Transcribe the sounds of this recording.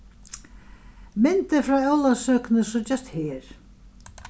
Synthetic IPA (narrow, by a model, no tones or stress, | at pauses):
mɪnt̪ɪɾfɾaɛwlasœːknʏsɔt͡ɕɛst̪hɛːɾ̥